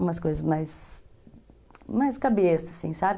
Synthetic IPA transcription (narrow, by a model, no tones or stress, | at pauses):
ũmɐskojzɐzmajs | majskabesɐsĩsabɪ